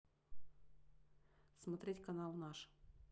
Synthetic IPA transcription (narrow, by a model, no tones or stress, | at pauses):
smɐt̪ɾʲetʲkɐnɑlˠnɑʂ